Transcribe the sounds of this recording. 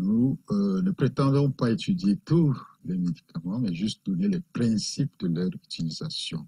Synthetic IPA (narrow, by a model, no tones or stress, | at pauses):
nunəpχet̪ɑ̃d̪ɔ̃paet̪yd̪jet̪ulɛmed̪ikʰamɑ̃mɛʒyst̪̚d̪ɔnelɛpχɛ̃sipd̪əlœʁyt̪iliza̰sjɔ̰̃